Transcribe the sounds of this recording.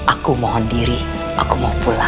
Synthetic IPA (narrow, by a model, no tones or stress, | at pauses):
ʔakumɔɦɔndiɾi | ʔa̰kumapula